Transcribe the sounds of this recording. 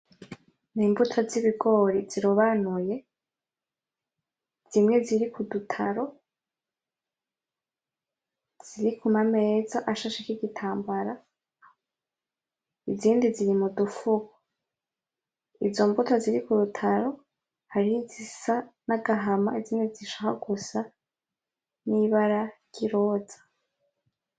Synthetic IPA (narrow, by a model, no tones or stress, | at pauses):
niːmbutʰoziβiɡo̞ɾiz̥iɾuβanuje̞ | z̥imŋe̞ziɾikʰudutʰaɾo̞ | z̥iɾikʰumame̞zaʔaʃaʃekiɡitʰaːmbaɾa | iziːndiziɾimudufuɡo | izo̞mbutoziɾikuɾutʰaɾo̞ | haɾihizisanaɡaɦamaiziːndiziʃahaɡusa | niβaɾaj̥iɾo̞ːzḁ